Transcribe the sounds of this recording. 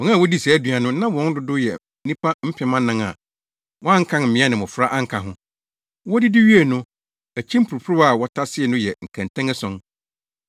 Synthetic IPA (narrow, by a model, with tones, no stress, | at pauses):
wɔ̃˨˦ã˦˨wɔ˦di˦sɛ˨æ˦dɥa˨nʊ̃˦nã˦wɔ̃˨˦n˦dʊ˨˦dʊ˦jɛ˨˦ | nĩ˦pʰa˦m̩˦pʰɪ˨mã˦nã˦ŋa̰˨ | wɔ˦a˦ŋ̩˦kʰã˦n˨m̩˨mɪ̃˨˦a˦nɪ̃˨mʊ̃˨fɾa˦ʔa˦ŋ̩˨kʰa˨ɦʊ̃˦ | wɔ˦dɪ˦di˦ɥi˦e˨nʊ̃˦ | æ˨t͡ɕʰĩ˦m̩˦pʰu˨ɾu˨pʰu˦ɾʊ˦a˦˨wɔ˦tʰa˦sɪ˦ɛ˨nʊ̃˦jɛ˨ŋ̩˨kʰæ̃˨ntʰɛ̃˦ŋɛ˦sɔ̃˦n